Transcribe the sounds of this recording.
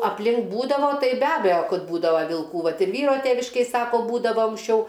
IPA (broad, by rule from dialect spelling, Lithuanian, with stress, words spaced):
ɐpʲˈlʲɪŋk ˈbuːdɐʋoː ˈtɐɪ bʲɛ ˈɑːbʲɛjoː ˈkɐt ˈbuːdɐʋɐ ʋʲɪlˠˈkuː ˈʋɐt ɪr ˈʋʲiːroː ˈtʲeːʋʲɪʃʲkʲeːj ˈsɑːkoː ˈbuːdɐʋoː ɐŋksʲˈt͡ʃʲɛʊ